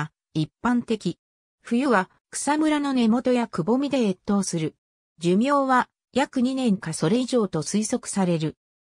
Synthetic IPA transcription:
ipːãnt̪e̞kʲi | ɸɯ̟jɯβa | kɯ̟̥samɯ̟ɾano̞ne̞mo̞t̪o̞jakɯ̟bo̞mʲid̪e̞et̪ːo̞ːsɨɾɯ̟ | d͡ʑɨmʲo̞ːβa | jakɯ̟ɲ̟inẽ̞ŋkaso̞ɾe̞iʑo̞ːt̪o̞sɨiso̞kɯ̥saɾe̞ɾɯ̟

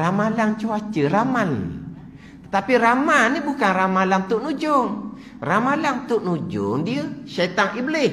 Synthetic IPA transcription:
ramalaŋt͡ʃuat͡ʃəraman | t̪ə̥t̪apiramanːibukanramalaŋt̪ʊʔnud͡ʒʊŋ | ramalaŋt̪ʊʔnud͡ʒʊ̰ŋdiəsat̪aŋibəlɪ

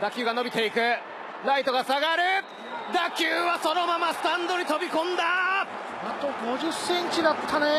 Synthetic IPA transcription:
d̪akʲɨːɡano̞bʲit̪e̞ikɯ̟ | ɾait̪o̞ɡasaɡaɾɯ̟ | d̪akʲɨːβaso̞no̞mamasɨ̥t̪ãnd̪o̞ɲ̟it̪o̞bʲikõ̞nd̪a | at̪oɡo̞ʑɨsːẽ̞ɲt͡ɕid̪at̪ʰːane

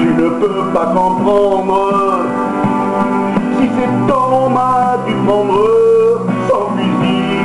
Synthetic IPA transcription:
ʒənəpø | pakɔ̃pχɑ̃d̪ʁə | sisɛt̪ɑ̃mad̪it̪χɑ̃d̪ʁə | sɑ̃lid̪i

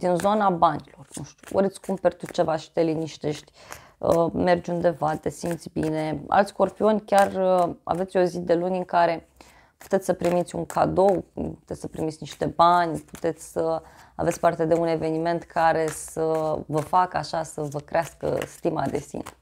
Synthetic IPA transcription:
d̪̥inzo̞nabanʲilo̞rnṵʃt̪ʲu̥ə̰ɾet̪sʲkumpert̪ut͡ʃe̞vaʃi̥t̪eliniʃt̪e̞ʃt̪ʲ | əmerd͡ʒund̪e̞vat̪esimt̪sʲbine̞a̰lt̪sʲko̞rpio̞nʲkʲarəa̰ve̞t̪sʲo̞zid̪e̞lunʲɨŋkaɾe̞ | pu̥t̪et̪ssəpɾimit̪sʲṵŋkʰa̰d̪o̞wpu̥t̪e̞t̪ʲsəpɾimit̪sʲniʃt̪e̞banʲpu̥t̪e̞t̪sʲsə | a̰vet̪sʲpart̪e̞d̪e̞une̞ve̞nime̞nt̪kʰaɾe̞səvəfakəaʃasəvəkɾeaskə̰st̪imad̪e̞̰sḭne

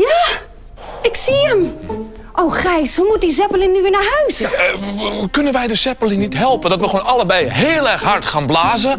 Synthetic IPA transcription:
jaː | ɪksiəm | ʔowxrɛjshumut̚dizɛpəlɪŋnyʋɪnaɹɦœɥs | kønənʋɛjdəsɛpəlinitɦɛlˠpəndɔtʋəχoːnɑlˠəbɛjɦeːlˠɛrxɦartχaːnblaːzə

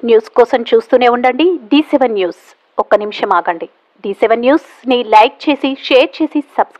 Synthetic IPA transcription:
njuːskɔːsɐmt͡ʃuːst̪uːne̞ːuɳɖɐɳɖiɖiːseʋɐnːjuːs | ɔkɐnimʂɐmaːɡɐɳɖi | ɖiːseʋɐnːjuːs | nilɐjk̚t͡ʃe̞ːsiʂeːɾt͡ʃe̞ːsisɐbs

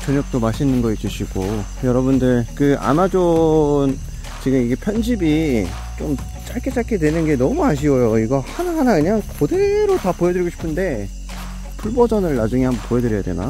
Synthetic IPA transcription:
t͡ɕʌɲʌk̚t͈omaɕʰinɯnɡʌit͡ɕ͈uɕʰiɡ̥o | jʌɾʌbundɯɭkɯa̰mad͡ʑon | t͡ɕeɡɯmiɡe̞pʰjʌnd͡ʑibi | t͡ɕom | t͡ɕ͈aɭk͈ʰet͡ɕ͈aɭkʰedwe̞nɯnɡe̞nʌmuaɕ̬ʰiʌjoiɡʌhanaɦanakɯɲaŋkode̞ɾotapojedɯɭiɡoɕʰi̥pʰɯnde̞ | pʰuɭbʌd͡ʑʌnɯɭːad͡ʑuŋiɦambʌnpoɦedɯɾjʌjadwe̞na̰

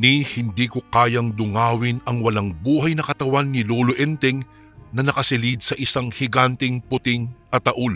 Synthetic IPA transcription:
nihɪnd̪iːkokaːjɐŋd̪ʊŋaːwɪnɐŋwɐlaŋbuːɦɐjnɐkɐt̪ɐwanːɪloːloʔɛnt̪ɪŋ | nɐnɐkɐsɪlid̪̚sɐʔɪsaŋhɪɡant̪ɪŋpʊt̪ɪŋʔɐt̪ɐʔul

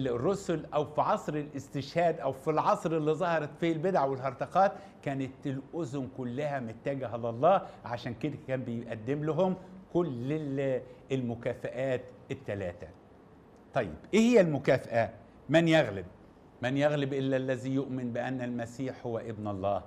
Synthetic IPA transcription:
rːʊsʊlʔæwfiʕɑsˤɾɪlʔɪst̪ɪʃhæːd̪ʔæwfilʕɑsˤɾɪlːizˤɑhɑɾˤɑt̪fiːlbɪd̪ʕawɪlɦɑɾˤt̪ɑqɑːt̪ | kæːnɪt̪ɪlʔʊzʊmkʊlːæhæmɪt̪ːæːɡɦælɑlˤːɑːʕaʃæːnkɪd̪ækæːmbɪjʔæd̪ːɪmlʊɦʊmkʊlː | ɪlmʊkæːfaʔæːt̪ɪt̪ːælæ̰ːt̪æ̰ | t̪ˤɑjːɪ̰b̥ʔiːhɪjːælmʊkæːfaʔæ | mænjaɣlɪb̚ | mænjaɣlɪbʔɪlːælːæzijʊʔmɪnbɪʔænːælmæsiːħhʊwːæʔɪbnɑlˤːɑːh

